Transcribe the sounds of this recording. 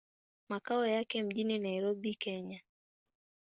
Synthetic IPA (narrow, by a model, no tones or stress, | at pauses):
makaɔjakɛm̩ʄininaiɾobikɛɲa